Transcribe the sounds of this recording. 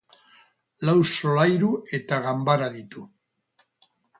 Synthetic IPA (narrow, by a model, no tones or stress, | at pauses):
lawsolajɾuet̪aɣambaɾaðit̪u